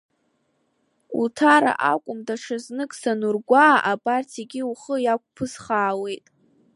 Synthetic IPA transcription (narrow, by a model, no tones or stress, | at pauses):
utʰaɾa̰ʔa̰kʷʼʊmdaʂʰaznɨkʼsanurɡʷaːʔapʼartʰiɡʲiuχəjak̚ʷʰʼpʰɨsχaːwe̞jtʼ